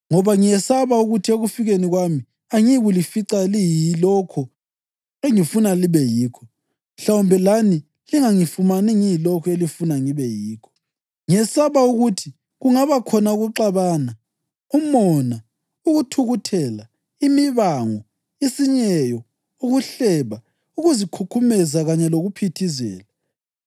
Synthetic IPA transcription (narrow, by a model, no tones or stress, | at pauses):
ŋɔβaŋijɛsaβauɣutʰieɣufiɣeniɣwami | aŋiɣulifiǀalijilɔkʰɔ | eŋifunaliβɛjiːkʰɔ | m̩ɬawumbʱɛlani | liŋaŋifumanɛŋijilɔkʰɔelifunaŋiβɛjiːkʰɔ̥ | ŋiɛsaβauɣutʰi | ɣuŋaβakʰɔnauɣuǃaβaːna | umɔna | uɣutʰuɣutʰɛla | imiβaŋɔ | isiɲɛjɔ | uɣuɬɛβa | uɣuzikʰukʰumɛzaɣaɲɛloɣupʰitʰizɛ̰ːla